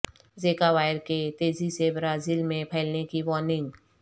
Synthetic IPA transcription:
zeːkaʋaːɪɾket̪eːzisebɾaːziːlmẽpʰɛɪlnekiʋɔːnɪ̃ŋɡ

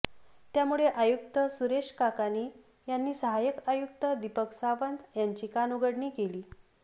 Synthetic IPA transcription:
t̪jamuɭeʔajuk̚t̪əsuɾeʂkakaniː | janːiːsəɦajəkajukt̪əd̪ipəksaʋənd̪jaɲt͡ɕiːkanuɡəɽɳiːkeliː

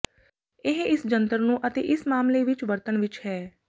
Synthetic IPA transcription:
ɪɦɪsd͡ʒə̃nt̪əɾnũːʔət̪ḛːʔɪsmaːmleːʋɪt͡ʃʋəɾt̪ənʋɪt͡ʃɦɛː

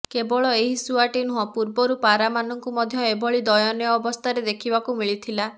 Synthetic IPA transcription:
kebɔɭɔeɦisuaʈinuɦɔpuɾbɔɾupaɾamanɔŋkumɔd̪ʱjɔebɔɭid̪ɔjɔnjɔːbɔst̪ʰaɾed̪ekʰibakumiɭit̪ʰila

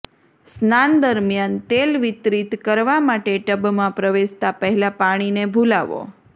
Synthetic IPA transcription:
snand̪əɾmjant̪elʋɪt̪ɾit̪kəɾʋamaʈeʈəbmãpɾəʋeʃt̪apəɦɛlapaɽ̃inebʱulaʋo̰

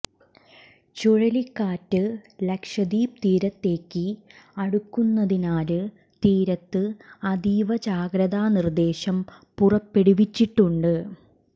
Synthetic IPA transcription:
t͡ɕuɻɐlikːaːtːɨlɐkʂɐd̪iːpt̪iːɾɐt̪ːe̞ːkːɨɐɽukːunːɐðinaːlɨ | t̪iːɾɐt̪ːɨɐd̪iːʋɐd͡ʑaːɡɾɐðaːnird̪e̞ːɕɐm | purɐpːe̞ɽiʋit͡ɕːiʈːuɳɖɨ

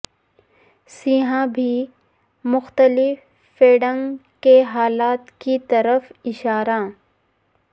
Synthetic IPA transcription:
siːɦãbʱi | mʊxt̪əlɪfː | eːɖə̃ŋkeɦaːlaːt̪kit̪ɐɾəfɪʃaːɾã

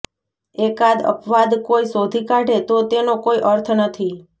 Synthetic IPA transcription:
ekad̪ə̰pʋad̪koisod̪ʱikãʈet̪ot̪enokoiʔəɾt̪ʰnət̪ʰi

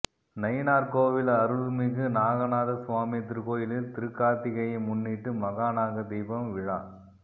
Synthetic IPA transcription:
nɐɪnaːɾkoːʋɪlɐɾɯlmɪɣɯnaːɣɐnaːðɐsʊʋaːmit̪̬ɪɾɯkoːjɪlɪlt̪ɪɾɯkːaːt̪ɪɣɐjɐmʊnːiʈːɯmɐɣaːnaːɣɐd̪iːbɐmʋɪɻa̰ː

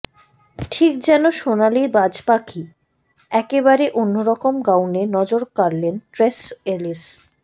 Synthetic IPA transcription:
ʈʰik̚d͡ʑɛnoʃonalibad͡ʑpakʰi | ɛkebaɾeʔonːoɾɔkomɡawnenɔd͡ʑoɾkaɾlenʈɾeselis

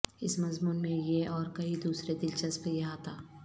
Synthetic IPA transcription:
ɪsmɐzmuːnmẽjeɔːɾkɐid̪uːsɾed̪ɪlʃɐspəjɐɦaːt̪aː

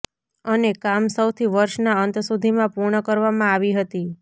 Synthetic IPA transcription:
ənekamsəwt̪ʰiʋəɾʃnaənt̪sud̪ʱimãpuɾɳəkəɾʋamãaʋiɦət̪i

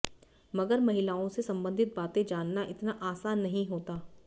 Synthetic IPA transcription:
mɐɡəɾmɐɦɪlaːõsesɐ̃mbə̃nd̪ʱɪt̪̚baːt̪ẽd͡ʒaːnːaʔɪt̪naʔaːsaːnːɐɦĩɦoːt̪aː

